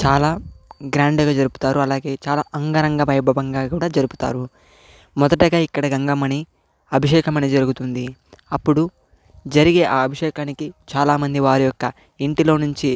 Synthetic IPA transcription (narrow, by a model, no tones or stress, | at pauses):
t͡ʃaːlaːɡɾaːɳɖɡaːd͡ʒɐɾupu̥t̪aːɾuɐlaːɡe̞ːt͡ʃaːlaːʔɐŋɡɐɾɐŋɡɐbɐjbʱɐbɐŋɡaːkuːɽaːd͡ʒɐɾupu̥t̪a̰ːɾu | mɔd̪ɐʈɐɡaːikːɐɽɐɡɐŋɡɐmɐni | ɐbʱiʂɛːkɐmɐnid͡ʒɐɾuɡut̪und̪iɐpːuɽu | d͡ʒɐɾiɡe̞ːʔaːɐbʱɐʂɛːkaːnikit͡ʃaːlaːmɐnd̪iʋaːɾijɔkːɐ | iɳʈilo̞ːnuɲt͡ʃi